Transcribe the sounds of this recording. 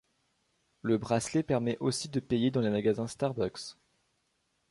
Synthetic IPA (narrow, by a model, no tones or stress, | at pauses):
ləbʁaslepɛʁmɛʔosid̪əpejed̪ɑ̃lemaɡazɛ̃st̪aʁbaks